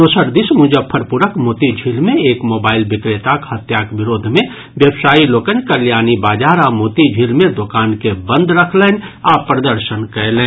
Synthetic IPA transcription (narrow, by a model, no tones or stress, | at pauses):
oːsəɾd̪ɪsmʊ̃d͡ʒəpʰɐɾpuɾəkmoːt̪id͡ʒʱilmẽeːkmoːbaːɪlbɪkɾeːt̪akhɐt̪jaːkʋɪɾoːd̪ʱmẽ | ʋjəbsaːiloːkənkɐɾljaːnibaːd͡ʒaːɾaːmoːt̪id͡ʒʱilmẽd̪okaːnkebə̃nd̪ɾəkʰleːnaːpɾəd̪əɾʃənkəelẽː